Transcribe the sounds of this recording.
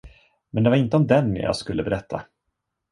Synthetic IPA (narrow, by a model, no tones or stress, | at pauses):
mɛnd̪ɛvaɾɪnt̪əɔmd̪ɛnːɪjɑ̰ːɡskɵlːəbɛɾɛt̪ʰːa̰